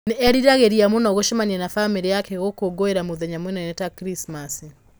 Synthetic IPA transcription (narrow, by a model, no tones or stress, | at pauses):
neɛɾiɾaɣeɾiamonaɔɣoʃɛmaɲɛnafameɾejakɛɣokoɡoeɾamoðɛɲamwɛnɛnɛtakɾismasi